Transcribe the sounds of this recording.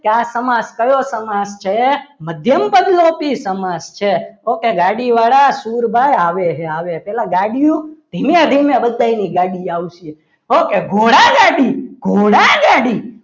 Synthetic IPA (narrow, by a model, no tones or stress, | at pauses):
kasəmãskəjosəmast͡ʃʰeməd̪ʱjəmpədlopisəmast͡ʃʰeokeɡaɽiʋaɽasuɾbʱajaʋeɦeaʋepɛlãɡaɽijũd̪̥ʱimjãd̪ʱimjẽbəd̪ːainiɡaɽiaʋʃie | okeɡʱoɽaɡaɽiɡʱoɽaɡaɽi